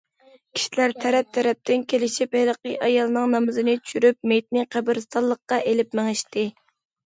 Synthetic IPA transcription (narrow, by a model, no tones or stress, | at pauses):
kʲʰi̥ʃilæɾt̪ʰɛɾɛp̚t̪ʰɛɾɛp̚t̪ʰɪnkʲʰelɪʃiphɪləqəʔɑjɑlˠnɨŋnɑmɨzɨnɪtt͡ʃʰy̥ʃyɾyp̚mejt̪̚nɪqʰæbɪɾst̪ɑlˠːəqːɑʔelɪpmæŋɪʃt̪ɪ